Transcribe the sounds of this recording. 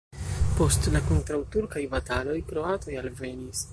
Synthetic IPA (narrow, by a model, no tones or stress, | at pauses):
po̞stlako̞ntɾawtuɾkajbatalo̞jkɾo̞ato̞jalve̞nis